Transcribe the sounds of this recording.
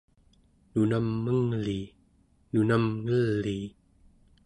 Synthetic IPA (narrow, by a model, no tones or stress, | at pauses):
nunamːɯŋli | nunamŋɯlːi